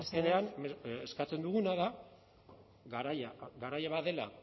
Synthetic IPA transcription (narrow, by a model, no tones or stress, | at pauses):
ske̞ne̞aneeskat͡se̞nd̪uɣ̞unaða | ɡaɾajaɡaɾajaβaðe̞la̰